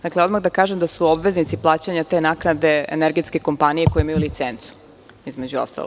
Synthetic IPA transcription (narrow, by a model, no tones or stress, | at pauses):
d̪akleo̞d̪maɣd̪akaːʒemd̪asuobʋe̞znit̪siplˠaːt͡ɕaɲat̪e̞naknad̪e̞ḛneɾɡet̪ske̞ko̞mpanije̞ko̞jimajulit̪sent̪su̥ | izme̞d͡ʑuo̰st̪a̰loɡ